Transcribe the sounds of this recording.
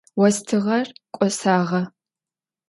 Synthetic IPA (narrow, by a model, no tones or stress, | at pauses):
wɔstʰɨʁɐrkʷʼɔsaːʁɐ